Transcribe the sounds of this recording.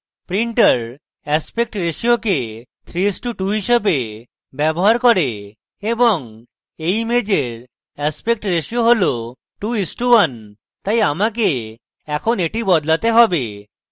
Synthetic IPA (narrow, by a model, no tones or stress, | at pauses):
pɾiɳʈəɾ | ɛspek̚ʈɾeʃioket̪ʰɾiisʈuʈuɦiʃebe | bɛboɦaɾkɔɾe | ebɔŋ | ejmed͡ʑeɾ | ɛspek̚ʈɾeʃioɦolo | ʈuisʈuwan | t̪ajamak̬e | ɛkʰoneʈibɔd̪lat̪eɦɔbe